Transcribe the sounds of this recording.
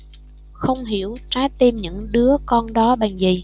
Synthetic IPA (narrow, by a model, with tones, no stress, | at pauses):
xə˧wŋ͡mɦi˧˩əwt͡ɕaː˨˦t̪e˧mɲɨ̰˧˥ŋɗɨ˨˦əkɔ˧nɗɔ˨˦ɓa˨˩ŋzi˨˩